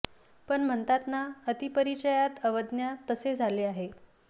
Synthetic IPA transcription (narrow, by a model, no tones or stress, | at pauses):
pəɳm̤ənt̪at̪naət̪ipəɾit͡ɕəjat̪əʋəd̪njat̪əsed͡zʱaleaɦe